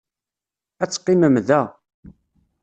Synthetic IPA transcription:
æt͡sːqːiməmðæ

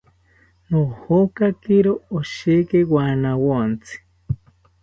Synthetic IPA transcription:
nohokakiɾooʃekewanawont͡sʰi̥

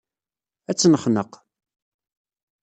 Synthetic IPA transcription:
æt͡sːnəχnəq

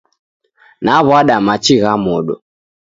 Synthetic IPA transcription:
naβwaɗamat͡ʃiɣamɔɗɔ̰

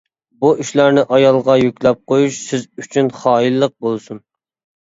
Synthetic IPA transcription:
buʔiʃlæɾnɪʔɑjɑlˠʁɑjykʲlɛp̚qʰojuʃsɪzyt͡ʃʰynχɑːilːəq̚bolˠsun

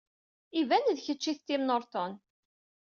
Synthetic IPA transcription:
ivænðçət͡ʃːiθt̪ːimnoɾt̪ɔn

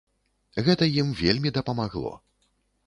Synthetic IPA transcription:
ɣɛt̪ɐjimvʲelʲmʲid̪ɐpɐmaɣlˠɔ̰

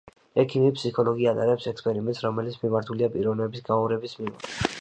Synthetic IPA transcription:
ɛkʰimipsikʰɔlˠɔɡiat̪ʼaɾɛpsɛkspʼɛɾimɛnt̪sɾɔmɛlit̪sʰmimaɾt̪ʰuliapʼiɾɔvnɛbisɡaɔɾɛbismima̰t̪ʰ

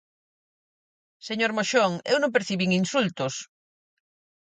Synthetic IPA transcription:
seɲoɾmoʃoŋewnõmpeɾθiβiŋinsult̪os

